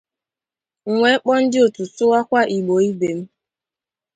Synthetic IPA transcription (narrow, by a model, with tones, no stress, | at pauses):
ŋ̩˨ŋʷe˨˦k͡pɔ˦n̩˦dɪ˦o˨tu˨sʊ˦wa˦kʷa˦ʔi˨ɡ͡bo˨i˦be˨m̩˦